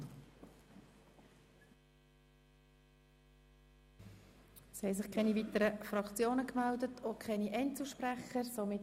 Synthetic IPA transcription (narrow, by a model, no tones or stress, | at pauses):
shɛɪs̬ɪχkʰɛnivit̪əɾəfrɑkt͡sjoːnəkmældətʰokʰχɛniʔɛntt͡suʃprɛχəɾsomɪt